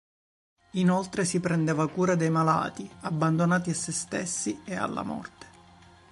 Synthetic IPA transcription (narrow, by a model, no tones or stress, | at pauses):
inolt̪ɾesipɾend̪eːvakuːɾad̪ejmala̰ːt̪iabːand̪onaːt̪iasːest̪esːiea̰lːa̰mɔ̰rt̪e̥